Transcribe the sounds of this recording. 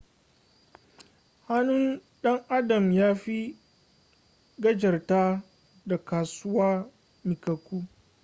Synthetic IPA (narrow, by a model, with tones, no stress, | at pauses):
ha˦nʊ˦n | ɗɐ˦ŋʔa˦dɐ˨mjaː˦ɸi˦ | ɡɐ˦d͡ʒɐ˨rtaː˦ | da˨kaː˨sʊ˦waː˦ | mɪ˨kɐ˨kʷuː˦